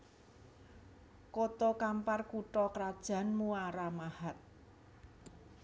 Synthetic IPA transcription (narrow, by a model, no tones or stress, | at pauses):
kot̪ɔkamparkuʈɔkɾad̥ʒ̥ä̤nmuaɾamahat̪̚